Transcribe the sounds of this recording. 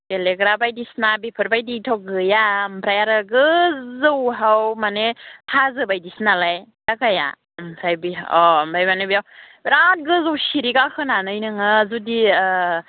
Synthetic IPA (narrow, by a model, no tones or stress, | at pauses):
beleɡɾabajdisnabipʰɯɾbajditʰɔɡɯjampʰɾajaɾaɡɯzɯwɦawmanetʰazɯbajdisnalajdakaja̰ | msʰajbiɔmbajbanɯbijawbɾat̚ɡɯzɯwsiɾikakʰɯnanɯjnɯŋɯzudi